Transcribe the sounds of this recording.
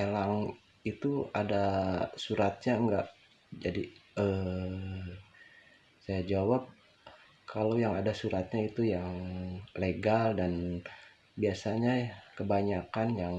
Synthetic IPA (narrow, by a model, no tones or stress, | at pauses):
elaŋ | it̪uadasuɾat̪̚ɲaŋɡaʔ | d͡ʒadiə | sajad͡ʒawap̚ | kʰalawjaŋadasuɾat̪̚ɲait̪ujaŋleɡaldan | biasaɲakəbaɲakanjaŋ